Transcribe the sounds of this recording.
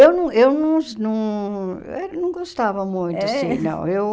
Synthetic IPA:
ewnɐ̃w̃ewnɐ̃w̃nɐ̃w̰̃ | ɛɾɐnɐ̃w̃ɡost̪avɐmũj̃t̪asĩnɐ̰̃w̃ew

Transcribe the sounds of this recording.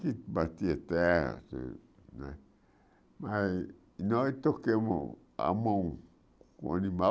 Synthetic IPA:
kimat̪iet̪ḛsḛ | nã̰ | ma | nõit̪okemo̰ | a̰mõ | ko̰nĩma

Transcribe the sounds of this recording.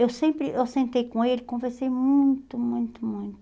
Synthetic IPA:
ewsẽmpɾɪʔewsẽnt̪ejkõelɪkõveɾsejmũj̃t̪ʊmũj̃t̪ʊmũj̃t̪ʊ

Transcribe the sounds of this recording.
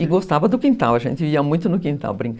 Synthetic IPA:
ɪɡost̪avɐd̪ʊkĩnt̪awɐʒḛ̃nt̪ɪiɐmũj̃t̪ʊnʊkĩnt̪a̰wbɾĩŋ

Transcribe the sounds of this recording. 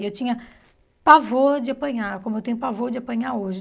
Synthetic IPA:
ewt͡ʃĩɲɐ | pavoɾd͡ʒɪapɐ̃ɲaɾkõmʊewt̪ẽɲʊpavoɾd͡ʒɪapɐ̃ɲaɾoʒɪ

